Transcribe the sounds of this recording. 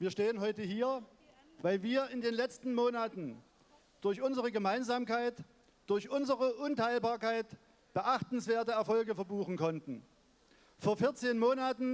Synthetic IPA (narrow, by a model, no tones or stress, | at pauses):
viːɐʃteːənɦɔʏtəɦiːɐ | vaɪlviːɐɪndeːnlɛt͡stn̩moːnatn̩ | d̥ʊɐçʔʊnzəʁəɡəmaɪnzaːmkaɪt | d̥ʊɐçʔʊnzəʁəʔʊntʰaɪlbaːɐkaɪt | b̥əʔaχtn̩sv̥eːɐtəɛɐfɔlɡəfɛɐbuːχn̩kʰɔntn̩ | foːɐfɪɐt͡seːnmoːnatn̩